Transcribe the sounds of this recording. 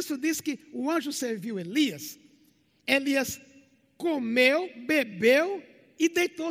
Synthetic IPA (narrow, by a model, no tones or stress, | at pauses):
sʊd̪iskɪʊɐ̃ʒʊseɾviweliɐs | eliɐs | komewbebew | ɪd̪ejt̪o